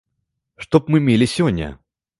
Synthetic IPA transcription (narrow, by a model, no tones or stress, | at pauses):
ʂt̪ɔpmɨmʲelʲɪsʲɔnʲːɐ̰